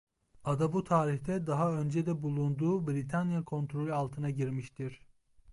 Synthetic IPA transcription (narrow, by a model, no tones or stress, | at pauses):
ad̪abut̪ʰaːɾiçt̪ʰɛd̪aɦaø̞nd͡ʒɛd̪ɛbulˠund̪uːbɾit̪ʰanjakʰo̞nt̪ɾo̞lʲyalˠt̪ʰɯnaɟiɾmiʃt̪ʰiɾ̥